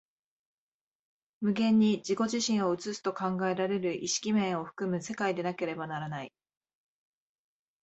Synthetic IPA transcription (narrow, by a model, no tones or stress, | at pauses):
mɯ̟ɡẽ̞ɲ̟ːid͡ʑiko̞ʑiɕĩɰ̃o̞ɯ̟t͡sɨsɨ̥t̪o̞kãŋɡae̞ɾaɾe̞ɾɯ̟ʔiɕi̥kʲimẽ̞ɰ̃o̞ɸɯ̟̥kɯ̟mɯ̟se̞kaid̪e̞nake̞ɾe̞banaɾanai